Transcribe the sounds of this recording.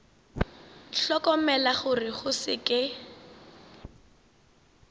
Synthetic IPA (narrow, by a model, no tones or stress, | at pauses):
ɬɔkɔmɛlaχʊrɪχʊsɪ̰kɪ